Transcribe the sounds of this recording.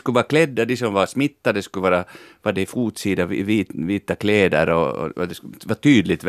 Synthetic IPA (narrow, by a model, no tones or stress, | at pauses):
skɵvɑːɾakʰlɛd̪ːad̪ɪsɔmʋvɑɾsmɪt̪ːad̪ɛskɵvɑːɾavɑdɛfuːt̪siːd̪aviːt̪viːt̪akʰleːd̪ə̰ɾɔ̰ɔ̰ɔ̰d̪ɛsvɑːɾt̪ʰyːd̪lɪt̪